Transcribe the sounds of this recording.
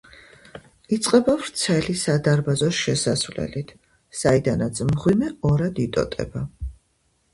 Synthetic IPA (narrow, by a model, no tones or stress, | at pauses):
it̪sʼqʼɛbavɾt̪sʰɛlisad̪aɾbazɔʃɛsasvlɛ̰lit̪ʰ | said̪anat̪sʰmʁwimɛɔɾad̪it̪ʼɔ̰t̪ʼɛ̰ba